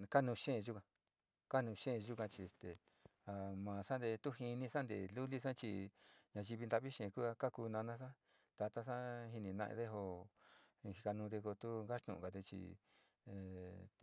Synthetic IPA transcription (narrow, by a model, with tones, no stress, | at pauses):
ka˦nũː˧ʃẽ˦˨˧ʒu˦kã˧ | ka˦nũː˧ʃẽ˦˧ʒu˦kã˧t͡ʃi˧e˨st̪e˨ | a˧mãː˨sã˦nd̪e˧t̪u˦hi˧nĩ˧sa˦nd̪ḛ˨lu˦li˦s̬ã˦t͡ʃḭ˧ɲã˧ʒi˧βi˧nd̪a˧βi˦ʃẽ˨˧ku˦a˧ka˦ku˧nã˧nã˧s̬ã˦ | t̪a˧t̪a˧sa˦ɦi˧nĩ˧˨nã̰˧ʔḛ˧ðe˦ɦo˧ | hi˧ka˧nũ˧d̪e˧ko˧t̪u˦ŋɡa˦ʂt̪ṵ̃˨ṵ̃˨ka˨t̪u˧t͡ʃḭ˧ | e˨